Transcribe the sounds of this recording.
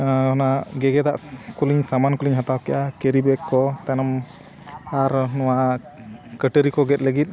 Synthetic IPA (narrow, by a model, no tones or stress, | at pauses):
ɔnaɡɛɡɛd̪aʔkuliɲsamankuliɲɦat̪awkɛʔakeɾibɛkːɔt̪anɔm | aɾnɔwa | kəʈəɾikɔɡɛt̪̚ləɡit̪̚